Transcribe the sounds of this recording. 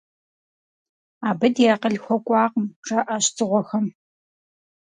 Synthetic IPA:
aːbɐdjaːqəɮxʷɔkʷʼɑːqmʈ͡ʂʼɐʔaːɕtʰʼɨʁʷɔxɐm

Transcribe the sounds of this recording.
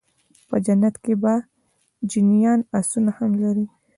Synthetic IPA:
pəd͡ʒanːat̪keba | d͡ʒinjɑnasunahamlaɾi

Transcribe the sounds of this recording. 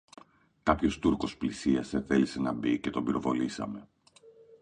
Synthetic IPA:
kɐpço̞st̪uɾko̞splisiɐse̞θe̞lise̞nɐbice̞t̪o̞biɾo̞vo̞lisɐ̰me̞

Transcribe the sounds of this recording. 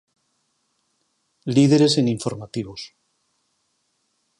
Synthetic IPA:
liðeɾe̞se̞ŋiɱfo̞ɾmat̪iβos

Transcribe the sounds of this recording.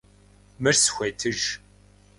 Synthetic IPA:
mɨrsxʷejtʰɨʒ

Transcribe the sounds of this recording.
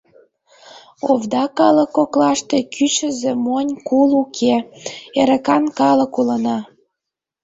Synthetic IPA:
ovd̪ɑkɑləkːoklɑʃt̪ekyt͡ɕə̆zemonʲkulukʰeeɾə̆kɑnkɑlə̆kulənɑ

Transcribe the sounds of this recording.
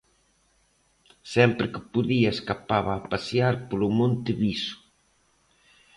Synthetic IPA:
sɛmpɾɪkɪ̥puðiɐeskapaβaːpasjaɾpolʊmõnt̪ɪβisʊ̥

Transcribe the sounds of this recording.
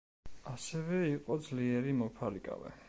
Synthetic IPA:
asɛvɛiqʼɔd̪zliɛɾimɔpʰaɾikʼa̰vɛ̰

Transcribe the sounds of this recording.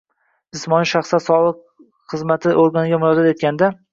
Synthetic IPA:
d͡ʒɪsmɒniʃaχsat̪sɒlˠɨq | χɨzmat̪ʰɪʔoɾɡanɪɡʲamʊɾɒzat̪e̞t̪̚kʲand̪a

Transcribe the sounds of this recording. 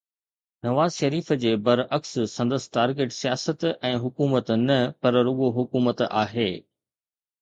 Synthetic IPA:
nɐʋaːzʃɐɾiːfəd͡ʑeːbɐɾɐkssɐ̃nd̪əs̆ʈaːɾɡeːʈsijaːsət̪ɛ̃ːɦʊkuːmət̪nɐpɐɾɾʊɠoɦʊkuːmət̪a̰ːɦeː

